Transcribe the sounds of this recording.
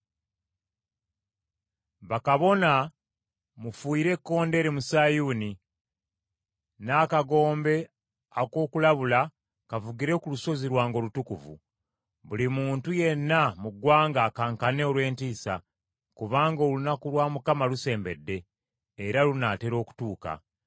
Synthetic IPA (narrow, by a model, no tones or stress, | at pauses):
βakaβo̞na | mufuiːɾe̞kːo̞ːnde̞ɾemusaːjuːni | naːkaɡo̞ːmbe̞ | ako̞ːkulaβula | kavuɡiɾe̞kuluso̞ziɾwaːŋɡo̞ːlutukuvṵ | βulimuːntuje̞nːamuɡwaːŋɡaːkaːŋkane̞olwe̞ːntiːsa | kuβaːŋɡo̞ːlunakulwaːmukamaluse̞ːmbe̞dːe̞ː | ɾalunate̞ɾo̞ːku̥tuːka̰